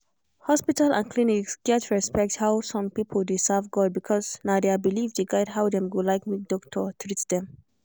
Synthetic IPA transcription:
hɔspitalʔã̰nkʰliniksɡɛtɹɛspɛk̚thawsɔ̃mpipʰəldesavɡɔd̚bikʰɔznadeabilivdeɡaɪdɦawdɛ̃mɡolaɪkmik̚dɔktʰətʰɹitsd̥̪ɛ̃m

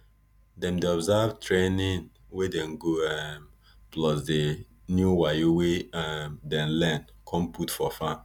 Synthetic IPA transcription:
dɛ̃mdeɔbzavtʰɹenĩn | wedɛ̃nɡoɛm | plɔsde | njuwajoweɛmdɛ̃nlɛ̃nkʰɔ̃mpʰutfɔfa

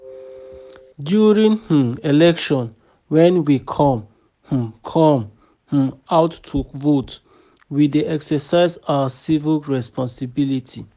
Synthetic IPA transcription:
djuɹĩnh̩elɛkʃɔ̃n | wɛ̃nwikʰɔ̃m | h̩kʰɔ̃m | h̩aʊtːʰuvot | wideɛksəsaɪzawasivilɹɛspɔ̃nsibilitʰi

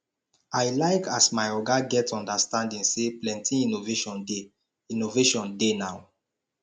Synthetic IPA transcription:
ajlaɪkasmaɪɔɡaɡɛtɔ̃ndastãndĩŋseplɛ̃ntʰĩinoveʃɔ̃nde | inoveʃɔ̃ndenaʊ

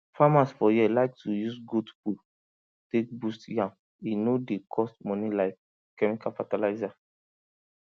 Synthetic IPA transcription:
famasfɔjilaɪk̚tʰujusɡudpul | tek̚bustjãm | inodekʰɔstmɔ̃nilaɪkː | ɛmikalfatalaɪza

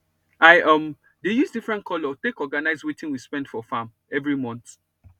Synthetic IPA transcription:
aɪʔʌ̃m | dejuzdifɹɛ̃ntkʰɔlɔtekɔɡanaɪzwetĩnwispɛ̃ndfɔfãm | ɛvɹimɔ̃nt̪

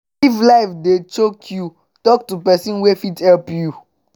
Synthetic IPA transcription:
iflaɪfdet͡ʃokʰju | tɔk̚tupɛsĩnwefithɛlpju

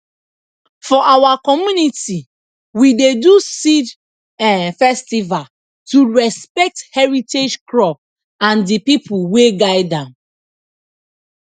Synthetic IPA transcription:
fɔʔawakɔmjuniti | widedusid | ɛfɛstival | tuɹɛspɛk̚thɛɹited͡ʒklɔp̚ | ãndipipʰuweɡaɪdãm

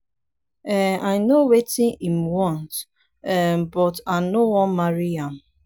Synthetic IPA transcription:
ɛajnowetɪ̃nimwɔ̃nt | ɛmbɔtanowɔ̃nmaɹiãm

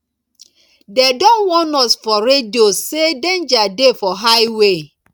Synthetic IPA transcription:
dedɔ̃nwɔnɔsfɔɾediosedẽnd͡ʒadefɔɦaɪwe

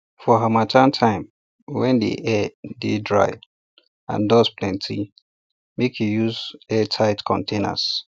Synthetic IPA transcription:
fɔɦamatʰãntʰãɪ̃m | wɛ̃ndḭʔɛdedɹa̰ɪ | ã̰ndɔspʰlɛ̃ntʰi | mekʰijuzɛtʰaɪtkʰɔ̰̃ntʰẽna̰s

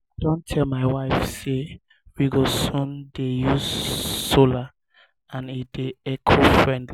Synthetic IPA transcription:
dɔ̃ntʰɛlmaɪwaɪfse | ɹiɡosũndejuzsola | ãnid̥eɛkʰofɹɛ̃ndli

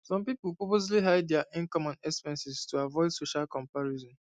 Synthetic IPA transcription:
sɔ̃mpipulpopozliɦaɪddjaʔɪ̃ŋkɔ̃mɔ̃nɛspɛ̃nsɪstuavɔɪdsoʃalkɔ̃mpaɹizɔ̃n

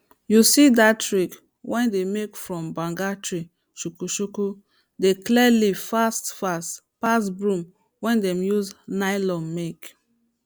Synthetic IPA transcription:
jusidatɹik | wʔɛ̃ndemekfɹɔ̃mbãŋɡatɹi | ʃukuʃuku | deklɛlivfastfast | pasbɹũm | wɛ̃ndɛ̃mjuznaɪlɔ̃mmek

